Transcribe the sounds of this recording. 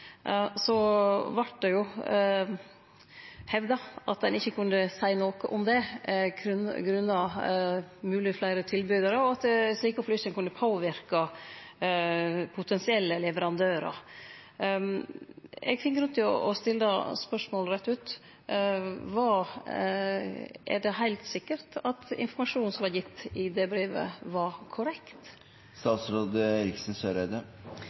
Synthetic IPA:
sɔʋɑʈ̚d̪ɛjʊ | hɛʋd̪ɑɑ̰t̪̚d̪ɛnɪçːəkʰʉnd̪əsæɪnoːkəʔʊmd̪ɛ | ɡɾʉnːɑ | mʉːlɪflæɪɾət̪ʰɪlbyːd̪əɾəɔɑt̪̚d̪ɛsliːkəɔflyːsənkʉnd̪əpʰoːʋɪɾkɑ | pʰʊt̪ʰɛnsɪɛlːəlɛʋəɾɑnd̪øːɾɑ̰ | ɛ̰ɡfɪnɡɾʉnt̪ʰɪɔ̰ɔst̪ɪlːəəspœʂmoːlɾɛt̪ːʉːt̪ | ʋɑː | ʔɛ̰ɖɛɦæɪlt̪sɪkːəɾt̪ɑt̪ɪ̰nfɔɾmɑʂuːnsɔmʋɑɾjɪt̪ːɪd̪ɛbɾeːʋə̰ʋɑɾkʰʊɾɛkt̪ | st̪ɑːt̪sɾoːd̪əɾɪksən̩søːɾæd̪ə

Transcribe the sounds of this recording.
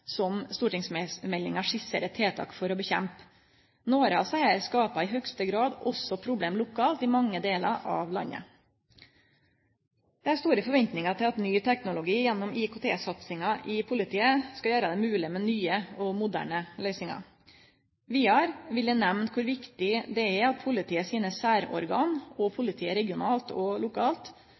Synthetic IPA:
sɔmst̪uːʈɪŋsmmɛlːɪŋɑʂɪsəɾət̪ʰeːt̪ʰɑ̰ːkfɔɾɔbəçɛ̰mp | noːɾəɑsæɪəɾskɑːpɑɪɦœkst̪əɡɾɑːd̪ɔsɔpʰɾʊbleːmlʊkʰɑːlt̪ɪmɑŋːəd̪eːlɑ̰ʔɑ̰ʋlɑ̰nːə̰ | d̪̥ɛæst̪uːɾəfɔɾʋɛnt̪nɪŋɑt̪ʰɪlɑt̪nyːt̪ʰɛknʊlʊɡiːjɛnːɔmɪkʊt̪ʰḛːsɑt̪sɪŋɑʔɪpʰʊlɪt̪ʰiːəskɑjøːɾəd̪ɛmʉːlɪmɛnyːəɔmʊd̪æ̰ːɳəlœʏsnɪŋɑ̰ | ʋiːɑɾʋɪld̪ɛnɛʋnt̪kʰʊɾʋɪkt̪ɪd̪ɛæɑt̪̚pʰʊlɪt̪ʰiːəsiːnəsæːɾɔ̰ɾɡɑːnɔpʰʊlɪt̪ʰiːəɾɛɡɪʊnɑːlt̪ɔlʊkʰɑːlt̪

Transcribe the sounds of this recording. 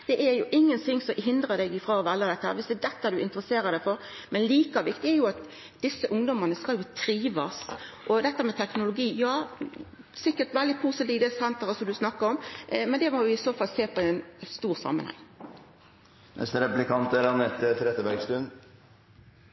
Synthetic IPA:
d̪̥ɛʔɛɾjʊʔɪŋːənt̪ʰɪŋːsɔɦɪnd̪ɾəd̪ɛɡɪfʁɑːɔʋɛlːəd̪ɛt̪ːəhæːɾʋɪsd̪ɛd̪ɛt̪ːəæd̪ʉɪnt̪əɾəseːɾəd̪ɛfɔɾ | mɛnliːkɑʋɪkt̪ɪɛɾjʊɑt̪ | d̪̥ɪsːəʔʊŋd̪ɔmənəskɑljʊt̪ʰɾiːʋɑs | ʔɔd̪ɛt̪ːəmɛt̪ʰɛknʊlʊɡiːjɑː | sɪkːəʈ̪ʋɛld̪ɪpʰuːsət̪iːʋd̪ɛsɛnt̪əɾəsɔmd̪ʉsnɑkːəɾɔmmɛnd̪ɛmɔʋɪɪsoːfɑlːseːpʰɔɛnst̪uːʁsɑ̰mːɑ̰nhɛ̰ŋ | nʔɛ̰st̪əɾɛpplɪkʰɑnt̪æɾɑnɛt̪ːt̪ʰɾɛt̪əbæɾɡst̪ʉn

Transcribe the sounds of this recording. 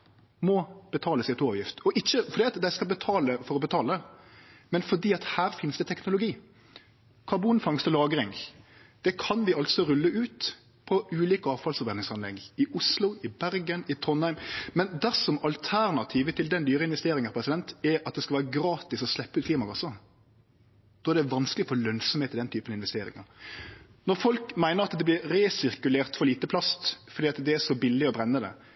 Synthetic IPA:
mɔb̥ət̪ʰɑːləsɪt̪oːʋjɪft̪ɔʔɪçːəfɔɾd̪iːɑt̪d̪æɪskɑlbət̪ʰɑːləfɔɾɔbət̪ʰɑːləɛmɛnfɔɖiːɑt̪hæːɾfɪnsd̪ɛt̪ʰɛknʊlʊɡiː | kʰɑɾbuːnfɑŋst̪əlɑːɡəɾɪŋ | d̪̥ɛkʰɑnʋɪɑlt̪sɔɾʉlːəʔʉːt̪ | pʰɔʉːliːkəɑːʋfɑlsfɔɾbʋɛnɪŋsɑnlɛ̰ɡɪʔʊslʊɪbæɾɡənɪt̪ʰɔnhæɪmmɛnd̪æʁsɔmɑlt̪ʰæɾnɑt̪ʰiːʋət̪ʰɪld̪ɛnd̪yːɾəɪnʋɛst̪eːɾɪŋəɾpʰɾɛsɪd̪ɛnt̪ɛɾɑt̪̚d̪ɛskɑʋæːɾəɡɾɑːt̪ɪsɔslɛpːəʉːt̪kʰliːmɑkʰɑsːə | d̪̥ɔːæʁɾd̪ɛʋɑnsklɪfoːlœnsɔmheːt̪ːɪld̪ɛnt̪ʰyːpənɑɪnʋɛst̪eːɾɪ̰ŋəɾ | nɔɾfɔlkmæɪnəɾɑt̪d̪ɛblɪɾɾeːsɪɾkʉleːʁt̪fɔɾliːt̪əpʰlɑst̪fɔɾd̪iːɑt̪d̪ɛæʂɔbɪlːɪɔbɾɛnːəd̪ɛ̰

